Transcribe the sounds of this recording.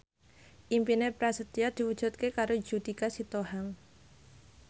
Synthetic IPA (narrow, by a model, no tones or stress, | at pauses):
ʔimpinepɾasət̪iad̪̥i̤wud̥ʒ̥ṳt̪̚kekaɾo̥d͡ʒ̥ud̪ikasit̪ohaŋ